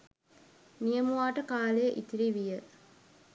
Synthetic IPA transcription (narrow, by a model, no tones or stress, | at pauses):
nijɐmuʋaːʈəkaːlejəʔit̪iɾiʋijə